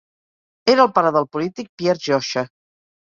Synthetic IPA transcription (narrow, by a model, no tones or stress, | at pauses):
eɾəːlˠpaɾaðəlˠpulit̪ik̚pjɛɾʒɔʃə